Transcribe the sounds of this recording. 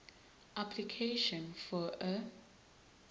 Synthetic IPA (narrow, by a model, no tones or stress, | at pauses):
ʔaplikʰeʃɔ̃nfɔə